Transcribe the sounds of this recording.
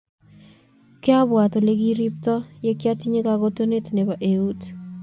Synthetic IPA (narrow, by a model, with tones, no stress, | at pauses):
kɪ˦a˦bwa˨t̪o˨le˦ɡi˦ɾi˦p̚t̪ɔ˦je˦kja˦t̪i˦ɲe˦ka˨ɡo˦t̪o˦ne˦tne˨ba˨ʔe˨u˦t